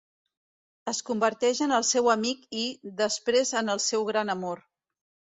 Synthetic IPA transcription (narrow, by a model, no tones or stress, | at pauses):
əskumbəɾt̪ɛʒənəlˠsɛwəmikiðəspɾezənəlˠsɛwɣɾanəmoɾ